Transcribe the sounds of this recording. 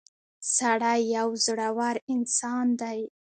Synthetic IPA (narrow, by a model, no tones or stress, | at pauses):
saɽajːawzɽawaɾɪnsɑnd̪aj